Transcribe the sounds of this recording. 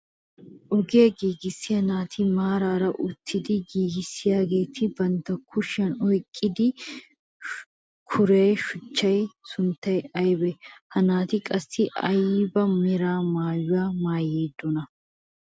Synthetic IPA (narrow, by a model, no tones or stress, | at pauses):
ʔɔɡeːɡiːɡɪsːɪjɐnaːt̪ʰɪmaːɾaːɾɐʔʊt̪ʰːɪd̪ɪɡiːɡɪsːɪjaːɡe̞ːt̪ʰɪbɐnt̪ːɐkʰʊʃːɐnɔjkʼːɪd̪ɪ | kʰʊɾeːʃʊt͡ʃːɐjsʊnt̪ːɐjɐjbɛhɐnaːt̪ɪkʼɐsːɪʔɐ̰jbɐmɪɾaːmaːjʊwaːmaːjeːd̪ːɔnɐ